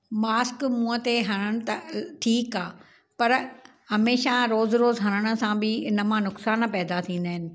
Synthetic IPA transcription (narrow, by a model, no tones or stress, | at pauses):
maːskmũːət̪eɦɐɽ̃əɽ̃̆t̪ɐtʰiːkaː | pɐɾ | hɐmeːʃaɾoːzɾoːzɦɐɾ̃əɽ̃ə̆sãbɪɪnəmãnʊksaːnpɛːd̪at̪ʰĩːn̆d̪aːɦɪnɪ̆